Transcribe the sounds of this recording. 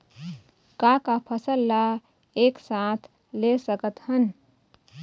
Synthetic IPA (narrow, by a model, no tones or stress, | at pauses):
kakapʰəsəlːa | eksãt̪ʰ | lesəkət̪hən